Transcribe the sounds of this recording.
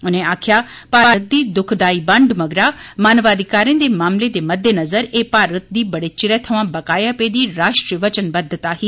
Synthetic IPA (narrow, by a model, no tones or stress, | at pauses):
ʊnẽaːkʰjaːpaːaːt̪̚d̪iːd̪ʊkʰd̪aːibɐ̃ɳɖmɐɡɾamaːnʋaːd̪ʱikaːɾẽd̪emaːmled̪emɐd̪ʱːenɐzəɾeːpaːɾət̪̚d̪iːbɐɽet͡ʃɪɾɛːt̪ʰɐʋãbɐkaːjapeid̪iːɾaːʃʈɾiəʋɐt͡ʃənbɐd̪ʱːət̪aɦiː